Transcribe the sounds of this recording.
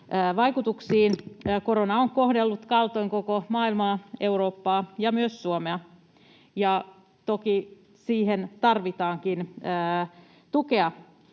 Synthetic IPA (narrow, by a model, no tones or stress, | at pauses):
əːʋɑikut̪uksiːnːkoɾonɑoŋkohdelːut̪kɑlt̪oiŋkokomɑːilmɑːeuɾoːpːɑːjɑmyøssuomeɑ | jɑ | t̪oki | siːhent̪ɑrʋit̪ɑːŋkinəː | t̪ukeɑ